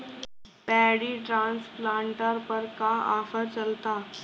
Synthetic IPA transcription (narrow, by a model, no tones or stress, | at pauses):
pɛɽiːʈɾãnsplãɳʈəɾpəɾkaa̰fəɾt͡ɕəlt̪a